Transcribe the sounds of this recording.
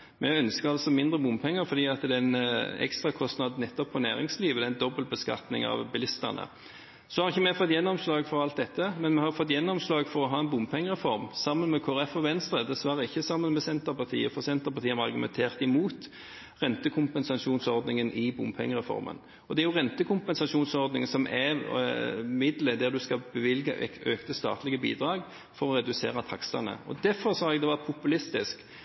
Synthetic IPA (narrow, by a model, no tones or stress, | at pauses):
mɛœnskəɾɑlsɔmɪnd̪ʁəbʊmpʰɛŋːəɾfɔɾd̪iːɑt̪d̪ɛnɛ̰kst̪ʁɑkʰɔst̪nɑd̪nɛt̪ːɔpʰːɔnæ̰ːɾɪŋsliːʋəd̪ɛænd̪ɔbəlt̪̚bəskɑ̰t̪nɪ̰ŋɑ̰ʋbɪlɪst̪ə̰ʁnə̰ | sɔhɑɾɪçːəmɛfɔt̪ːjɛnːɔmslɑːɡfɔɾɑlt̪̚d̪ɛt̪ʰːəmɛnmɛhɑɾfɔt̪ːjɛnːɔmslɑːɡfɔɾɔɦɑːɛnbʊmpʰɛŋːəʁɛfɔɾmsɑmːənmɛkʰoːɛfɔʋɛnst̪ɾəd̪ɛsʋæʁəɪçːəsɑmːənmɛsɛnt̪əpɑʁt̪ʰḭːəfɔʁsɛnt̪əʁpɑʁt̪iːənɑɑɾɡʉmɛ̰nt̪ʰeːʁt̪ɪmuːt̪ | ʁɛnt̪əkʰʊmpɛnsɑʂuːnsɔɾd̪nɪŋənʔɪbʊmpʰɛ̰ŋːəʁɛfɔ̰ɾmə̰n | ɔd̪ɛæɾjʊʁɛnt̪əkʰʊmpɛnsɑʂuːnsɔʁd̪nɪŋəsɔmʔɛ | mɪd̪ləd̪æɾd̪ʉskɑbəʋɪlɡəʔɛ̰øːkt̪əst̪ɑ̰ːt̪lɪɡəbḭːd̪ɾɑːɡ | fɔɾɔɾɛd̪ʉsḛːɾət̪ʰɑksɑ̰nə̰ɔ̰d̪æfɔɾsɑːɛɡd̪ɛʋɑpʰʊpʉlɪst̪ɪsk